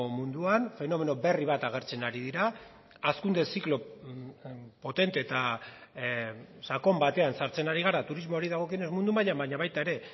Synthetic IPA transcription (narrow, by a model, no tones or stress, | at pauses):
mund̪uanfe̞no̞me̞no̞be̞riβ̞at̪aɣ̞e̞ɾt͡se̞naɾið̞iɾaː | skund̪e̞siklo̞ | po̞t̪e̞nt̪e̞ːt̪a | sako̞mbat̪e̞ansaɾt͡se̞naɾiɣ̞aɾat̪uɾizmo̞ːɾiðaɣ̞o̞kiene̞zmund̪umaʎambaɲaβajt̪aeɾe̞